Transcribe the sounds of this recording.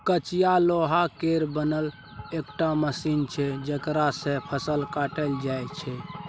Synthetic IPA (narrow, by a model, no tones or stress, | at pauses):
kət͡ʃijaloɦakeɾbənəl | ekʈaməsint͡ʃʰɛd͡ʒəkɾasẽpʰəsəlkaʈəld͡ʒajt͡ʃʰɛ